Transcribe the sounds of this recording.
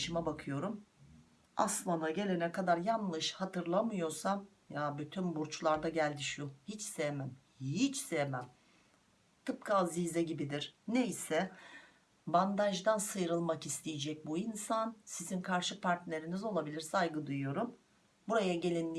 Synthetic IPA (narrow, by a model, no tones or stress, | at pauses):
ʃɯmabakʰɯjo̞ɾum | a̰slˠanaɟe̞lʲe̞nɛkad̪aɾjanlˠɯʃhat̪ʰɯɾlˠamɯjo̞sam | jabyt̪ʰynbuɾt͡ʃʰlˠaɾd̪aɟælʲd̪iʃuhit͡ʃsejmæm | hit͡ʃsejmæm | t̪ʰɯp̚kʰaziːzɛɟibid̪iɾ̥nejsɛ | band̪aʒd̪ansɯjɾɯlˠmakist̪ʰijed͡ʒɛc̚buinsansizinkʰaɾʃɯpʰaɾt̪nʲe̞ɾinizo̞lˠabilʲiɾsajɡɯd̪ujujo̞ɾum | buɾajaɟe̞lʲinːʲi